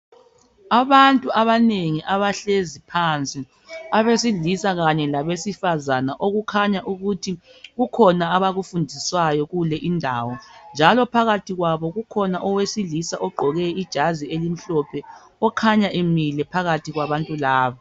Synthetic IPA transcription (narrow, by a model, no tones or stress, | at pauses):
aβantʼuaβaneŋiʔaβaɬezipʰant͡sʼi | aβesiɮisaɣaɲɛlaβesifazanaʔoɣukʰaɲaʔuɣutʰiɣukʰɔnaaβaɣufundʱiswajɔɣulɛʔindʱaːwɔnd͡ʒʱalɔpʰaɣatʰiɣwaβɔɣukʰɔnaʔɔwesilisaʔɔɡ͡ǃʱɔɣɛid̥ʒ̥ʱazielim̩ɬɔpʰɛ | ɔkʰaɲaʔemilɛpʰaɣatʰiɣwaβantʼulaːβa